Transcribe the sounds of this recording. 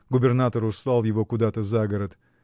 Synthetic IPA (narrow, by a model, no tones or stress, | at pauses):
ɡʊbʲɪrnat̪əɾʊst̪ˠalˠjɪvo̞kʊd̪at̪əzaɡəɾət̪